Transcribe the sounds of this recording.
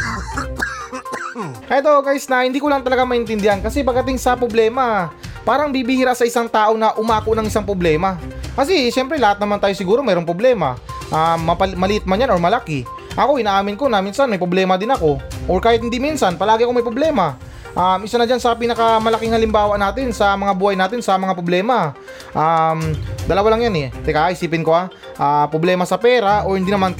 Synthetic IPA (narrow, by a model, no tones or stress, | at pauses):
ʔɐjd̪oɡajsnɐhɪnd̪iːkolɐŋt̪ɐlɐɡamɐʔɪnt̪ɪnd̪ɪhankɐsɛpɐɡ̚ːɐt̪ɪŋsɐpɾoblɛːmɐpaːɾɐŋbibɪhɪɾaʔsɐʔɪsaŋt̪aːʔo̞nɐʔʊmaːkoʔnɐŋʔɪsaŋpɾoblɛːmɐkɐsɛʃɛmpɾɛlɐhat̪̚nɐmant̪aːjo̞sɪɡuːɾo̞mɛːɾoŋpɾoblɛːmɐ̰ʔamːɐpɐmɐlɪʔɪt̪̚mɐnjanʔo̞ɹmɐlakɪ | ʔɐko̞ʔɪnaːʔaːmɪnko̞nɐminsanmɐjpɾoblɛːmɐd̪ɪnɐko̞ʔoɹkaːhɪt̪̚hɪnd̪iminsanpɐlaːɡɪʔɐko̞mɐjpɾoblɛːma | ʔamʔɪsanɐd͡ʒansɐpiːnɐkɐmɐlɐkɪŋhɐlɪmbaːwaʔnaːt̪ɪnsɐmɐŋabuːhɐjnaːt̪ɪnsɐmɐŋapɾoblɛːmɐ | ʔamd̪ɐlɐwalɐŋjanɛt̪ɛkaaʔɪsiːpɪnko̞a | ʔapɾoblɛːmɐsɐpɛːɾaʔo̞hɪnd̪inɐman